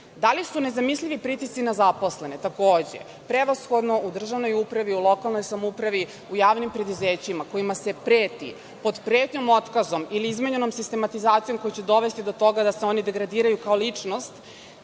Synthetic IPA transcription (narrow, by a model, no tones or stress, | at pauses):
d̪alisune̞zamislʲiʋipɾit̪ist̪inazapo̞sle̞net̪akoːd͡ʑe̞̰ | pɾeʋasxo̞d̪no̞ud̪r̩ʒaʋno̞jupɾaʋiulo̞kalˠno̞jsamupɾaʋi | ujaːʋnimpɾe̞d̪uzeːt͡ɕimako̞imase̞pɾeːt̪ḭ | po̞d̪pɾe̞ːt̪ɲomo̞t̪kazo̞miliizmeɲeno̞msist̪e̞mat̪izaːt̪sijo̞mko̞jut͡ɕed̪o̞ʋe̞st̪id̪o̞t̪o̞ɡad̪aseo̞nid̪e̞ɡɾad̪iːɾajukaolit͡ʂno̞st̪